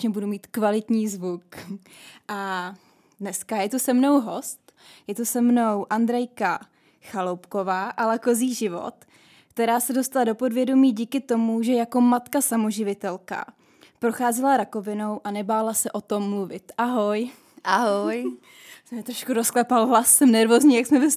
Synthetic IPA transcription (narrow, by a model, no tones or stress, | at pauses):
ɲɛbudumiːt̪kvalɪt̪ɲiːzvuk | ʔa | dnɛskajɛt̪usɛmno̞wɦo̞st̪ | jɛt̪usɛmno̞wʔandɾɛjka | xalowpko̞vaːʔalako̞ziːʒɪvo̞̰t̪ | kt̪ɛɾaːsɛdo̞st̪alado̞po̞dvjɛdo̞miːɟiːkɪt̪o̞muʒɛjako̞mat̪kasamo̞ʒɪvɪt̪ɛlka̰ | pɾo̞xaːzɪlaɾako̞vɪno̞wʔanɛbaːlasɛʔo̞t̪o̞mːluvɪt̪ʔaɦo̞j | ʔaɦoj | smɛt̪ɾoʃkuɾosklɛpalɦlasːɛmnɛɾvoːzɲiːjaksmɛbɪ